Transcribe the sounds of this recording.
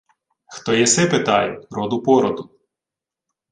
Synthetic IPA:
xt̪ɔjɛsɪpɪt̪ɑjɛɾɔd̪ʊpɔɾɔd̪ʊ

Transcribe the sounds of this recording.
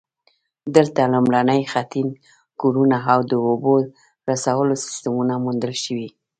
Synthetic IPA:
d̪əlt̪alomɽanəjxat̪in | koɾunaawd̪əobo | ɾasawəlosɪ̥st̪amunamund̪əlʃəwi

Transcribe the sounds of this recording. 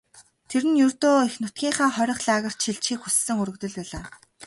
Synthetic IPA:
t̪ʰeɾɘ̆njɵrt̪oːixnʊt̪̚ɡʲiːɴχaːχɔɾʲɞ̆χɮaːɣə̆r̥t͡ɕ̪ʃiɮt͡ɕiːkxusːɘ̆ŋɵɾɵ̆kt̪ɵ̆ɮpæːɮaː

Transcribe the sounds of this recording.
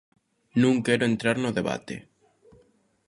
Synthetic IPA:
nũŋkeɾoent̪ɾaɾnoðeβa̰t̪ḛ

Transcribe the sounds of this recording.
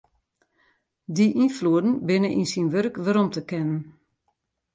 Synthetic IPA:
diʔinfluədn̩bɪnəʔḭnsinʋørkʋəɾɔmtəkɛnən

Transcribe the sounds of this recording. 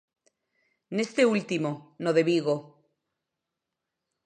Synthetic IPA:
nest̪eult̪imonoðeβiɣo

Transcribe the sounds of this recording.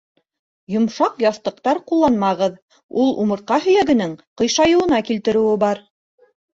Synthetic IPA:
jŏmʃɑqjɑθt̪ɤ̆q̚t̪ɑɾqulˠːɑnmɑʁɤð | ulˠumɤ̆ɾ̚qɑɦɵ̆jæɡɘ̆nɘŋqɤ̆jʃɑjɤ̆wɤ̆nɑkilt̪ɘ̆ɾɘ̆wɘbɑɾ

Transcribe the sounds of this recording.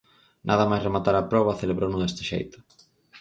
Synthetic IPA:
nʔaðɐmajsremat̪aɾapɾɔβ̞ɐθeleβɾʔownʊðɛst̪ɪʃḛjt̪ʊ̥

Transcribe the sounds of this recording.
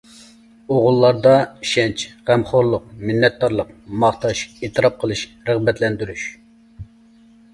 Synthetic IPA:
oʁʊlˠːɑɾd̪ɑʃɛnt͡ʃʁ̥ɛmχoɾlˠʊq̚mɪnːɛt̪̚d̪ɑɾlˠəq̚mɑχt̪ɑʃeːt̪ʰɨɾɑp̚qʰəlˠɨʃ | ɾəʁbɛt̪ʰlɛnd̪yɾyʃ

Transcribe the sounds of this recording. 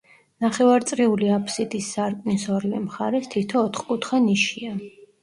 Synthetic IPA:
naχɛvaɾt̪sʼɾiuliapʰsid̪isːaɾkʼnisɔɾlɛmχaɾɛst̪ʰit̪ʰɔːt̪ʰχkʼut̪χaniʃia

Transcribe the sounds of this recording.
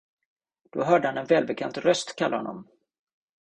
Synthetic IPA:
d̪̥oɦœːɖəhanɛnvɛːlbɛkʰant̪ɾœst̪kʰalːahɔ̰nːɔ̰m

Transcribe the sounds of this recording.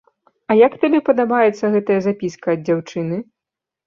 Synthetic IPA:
ɐjakt̪alʲɛpɐd̪abajɛt̪sːɐɣɛt̪ɐjɐzapʲiskɐɐd̪̚d͡zʲawt͡ʂɨnɨ

